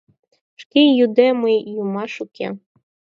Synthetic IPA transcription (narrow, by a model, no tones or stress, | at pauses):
ʃkʲejud̪ɛmɨjjumɑʃukʲɛ̰